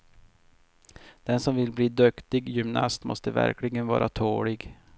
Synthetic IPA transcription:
d̪̥ɛnsɔmvɪlbliːd̪ɵkt̪ɪɡjʏmnɑ̰st̪mɔ̰st̪əvæ̰ɾklɪɡənvɑ̰ːɾʔat̪ʰoːɭɪɡ

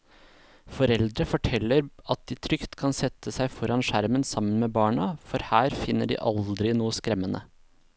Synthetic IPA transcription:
fɔɾɛld̪ɾəfɔʈʰɛlːəɾɑt̪̚d̪iːt̪ʰɾʏkt̪kʰɑnsɛt̪ʰːəsæɪfɔɾɑnʂæɾmənsɑmənmeːbɑːɳɑfɔɾhæːɾfɪnːəɖḭʔɑld̪ɾɪnuːəskɾɛmːənʔə̰

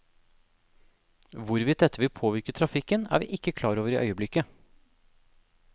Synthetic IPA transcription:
ʋʊɾʋiːt̪̚d̪ɛt̪ːəʋɪlpʰoːʋɪɾkət̪ʰɾɑfɪkːənæ̰ːɾʋḭːʔɪkːəkʰlɑːɾoːʋəɾiːʔœ̰ʏəblɪkːə

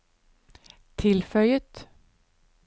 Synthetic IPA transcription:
t̪ʰɪlfœljət̪

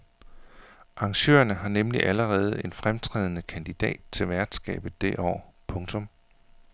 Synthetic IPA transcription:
ʔɑ̈ŋɕø̰ːɐnəɦɑ̈nemliʔæləʁɛːð̞̩ˠe̝nfʁamt͡sʰʁɛ̰ːð̞ˠənəkʰænd̥id̥ɛ̰ːd̥̚t͡sʰe̝lʋæɐd̥sɡ̥ɛ̰ːb̥ð̩ˠd̥e̝ʔɒ̰ːpʰɔ̽ŋt͡sʰɔ̽m

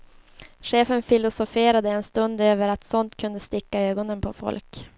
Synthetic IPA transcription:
ɧeːfənfɪlʊsʊfeːɾad̪əɛnst̪ɵnd̪øːvəɾat̪sɔnt̪kʰɵnd̪əst̪ɪkːaøːɡɔnənpʰɔfɔ̰lk

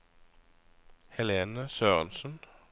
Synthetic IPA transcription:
hɛleːnəsøːʁə̰nsən̩

